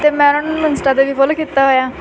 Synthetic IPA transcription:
t̪eːmɛ̃ɾənmənsʈaːd̪eːʋiːpolkiːt̪ːaːɦoːjaː

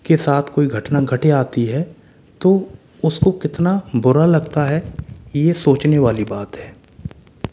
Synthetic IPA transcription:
kesaːt̪ʰkoːiɡʱɐʈnaɡʱɐʈeaːt̪iɦɛː | t̪oː | ʊskokɪt̪nabʊɾalɐɡt̪aɦɛjesoːt͡ʃneʋaːlibaːt̪ɦɛː

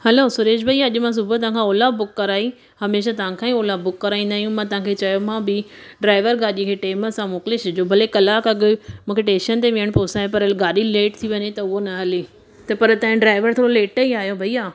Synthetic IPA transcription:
hɐloːsʊɾeːʃbʱɐijaɐʄʊmãs̬ʊbʱət̪̬ɐʋãːkʰãoːlabʊkːɐɾaːi | hɐmeːʃ̬at̪ɐʋ̤ãkʰãːĩoːlabʊkːɐɾaːĩːn̆d̪aːjũmãt̪ɐɦãkʰet͡ɕɐjomãbɪɖɾaːɪʋəɾɡaːɗikʰeːʈeːməsãmoːkɪleʃɐd͡ʑoːbʱɐlekɐlaːkɐɡ̆mũːkʰeʈẽːʃənt̪̬eʋɪəɽ̃poːsaːɦepɐɾɐlɡaːɗileːʈt̪ʰiʋɐɲet̪ɐʊɦonɐɦɐli | t̪ɐpɐɾt̪ɐ̃ɦɪ̃ɖɾaːɪʋəɾt̪ʰoːɾoleːʈəiaːɦijobʱɐijaː

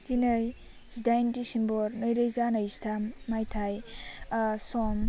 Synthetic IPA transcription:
tinɯj | sidajntisimbɔɾnɯjɾɯjzanajstʰamːajtʰaj | sɔm

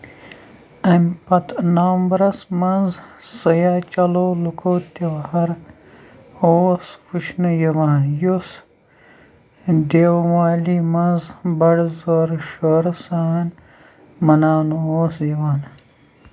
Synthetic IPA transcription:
ɐmpɐt̪naːmbɾɐsmɐnzsɐjaːt͡ʃɐloːlukʰoːt̪ewhɐɾ | oːswuʃnɐjɐwaːnjos | d̪ewwaːlimɐnzbɐɽzoɾʃoːɾsaːn | mɐnaːnuoːsjɐwaːn

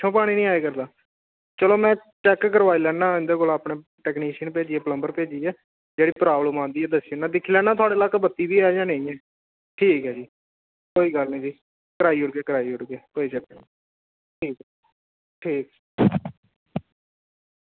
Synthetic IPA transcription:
t͡ʃʰõːpaːɽ̃iːnĩːaːeːkəɾd̪aː | t͡ʃəloːmɛ̃ːt͡ʃɛːkːəɾʋaːiːlɛːnãːɪ̃nd̪eːkoːlaːpɳeː | ʈɛːkniːʃənpeːd͡ʒiːɛːpələmbəɾpeːd͡ʒiːɛː | d͡ʒeːɽiːpɾaːbləmãːnd̪iːɛːd̪əsiːʊnãːd̪ɪkʰːiːlɛ̃ːnãːt̪ʰʊaːɽeːlaːkːbət̪ːiːbiːaːd͡ʒãːnẽĩːɛː | ʈʰiːkɦɛːd͡ʒiː | koːiːɡəlnĩːd͡ʒiː | kəɾaːiːʊʈɡeːkəɾaːiːʊʈɡeːkoːit͡ʃəte | ʈʰiːk | ʈʰiːk

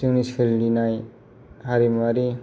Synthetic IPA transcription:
siŋnisʰildinaj | haɾimaɾi

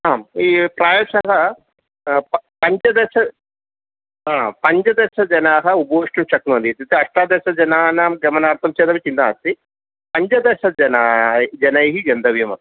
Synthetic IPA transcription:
aːmiːpɾaːjɐʂɐɦɐ | ppɐɲd͡ʒɐd̪eʃɐ | ɦaːpɐɲd͡ʒɐd̪ɐʃɐd͡ʒɐnaːɦɐuboːʂʈɐmʃɐknond̪it̪it̪ɐʂʈaːd̪eːʃɐd͡ʒɐnaːnaːmɡɐmɐnaːɾt̪ʰɐmt͡ʃeːd̪ɐmɐt͡ʃind̪aːst̪i | pɐɲd͡ʒɐd̪ɐʃɐd͡ʒɐnaːd͡ʒɐnɐjɦiɡɐnd̪ɐʋjɐmɐt̪i̥

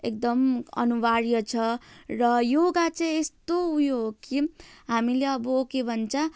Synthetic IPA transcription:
ek̚d̪ʌmʌ̰nubaɾjʌt͡sʰʌrʌjoɡat͡sãĩest̪oujoɦokiɦamileʌbʌokebʱʌnt͡sʰa

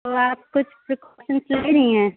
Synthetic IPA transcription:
oːaːp̚kʊt͡ʃʰpɾɪkɔːʃənsleɾɐĩɦɛ̃ː

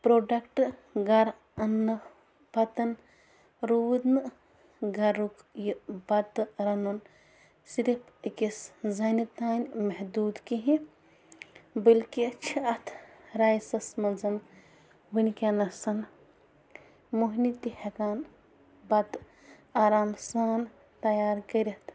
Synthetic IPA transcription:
pɾoːɖɐkʈɡɐɾ | ɐnːɨ | pɐt̪ɐn | ɾuʋid̪nɨ | ɡɐɾuk | jubɐt̪ɾɐnun | siɾipʰikiszɐnit̪aːnʲmɐɦd̪uːd̪kiɦĩ | bɐlkiɐt͡ʃʰiɐt̪ʰɾaːjsɐsmɐnzɐn | winʲkenɐsɐn | muɦnit̪ihekaːn | bɐt̪ | aːɾaːmsaːn | t̪ɐjaːɾkɐɾʲɐt̪ʰ

